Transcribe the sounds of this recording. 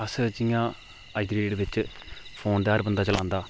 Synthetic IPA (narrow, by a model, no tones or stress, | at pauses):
ɐsɨt͡ʃiŋãː | ɐɪd̪ɾeːɖʋɪt͡ɕːpʰoːnd̪eaːɾbɐnd̪aːt͡ʃɐlaːnd̪aː